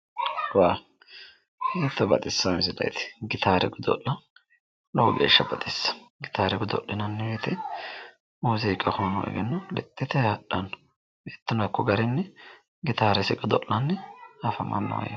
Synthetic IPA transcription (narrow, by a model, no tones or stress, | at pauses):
waː | heːt̪ːɔbɐt̪ʼɪsːɐmɪsɪlɐ̰jt̪ɪ̥ɡɪt̪aːɾɛ̰ɡʊd̪ɔ̰ʔːɐ | lɔwɡḛːʃːɐbɐt̪ʼɪsːɐ̥ɡɪt̪aːɾɛɡʊd̪ɔ̰ʔːɪnɐnːɛwet̪ʰɛ | uːzɛkʼːɐhonɔ̰ʔɛ̰ɡɛnːɐlɛ̰t̪ʼːɛt̪ɛhɐɗːɐnːɔ̥ | bet̪ːɪnɐkːɔɡɐɾɛnːɛ | ɡɪt̪aːɾɛsɪɡɔd̪ɔʔːɐnːɛhɐfɐmɐ̰nːɐ̰wɐ̰jɐ